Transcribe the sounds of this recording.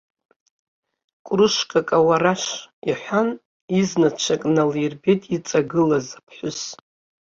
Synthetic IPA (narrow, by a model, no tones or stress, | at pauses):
kʷʼrɨʃkʼakʼawaraʃiħʷan | iznat͡ʃʷʰakʼnalirbetʼit͡sʼaɡɨlazapʰħʷʊs